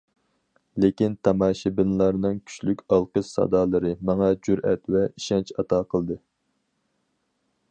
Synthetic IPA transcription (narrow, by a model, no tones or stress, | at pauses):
lekʲint̪ʰɑmɑːʃɪbɪnlˠɑɾnɨŋkʲʰy̥t͡ʃlykʲɑlˠqəʃsɑ̰d̪ɑːlˠəɾɨmɑŋɑd͡ʒyɾɛt̪wɛiʃɛnt͡ʃɑt̪ɑːqʰəlˠd̪ɨ